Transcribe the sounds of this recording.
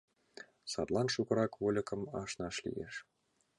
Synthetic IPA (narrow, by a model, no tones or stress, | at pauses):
sɑt̪lˠɑnʃukɤ̆ɾɑkvolʲɤ̆kɤ̆mɑʃnɑʃlʲḭjḛʃ